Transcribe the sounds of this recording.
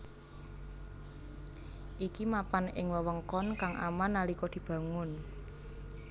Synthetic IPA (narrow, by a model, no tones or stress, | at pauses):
ʔikimapanɪ̰ŋwəwəŋkɔnkaŋʔa̰manːalikɔd̪̥i̤b̥a̤ŋʊn